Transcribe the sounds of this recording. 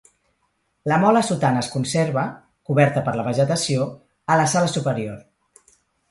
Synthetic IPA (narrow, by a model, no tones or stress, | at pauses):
ləmɔləsut̪anəːskunseɾβə | kuβɛɾt̪əpəɾləβ̞əʒət̪əsio | ələsaləsupəɾioɾ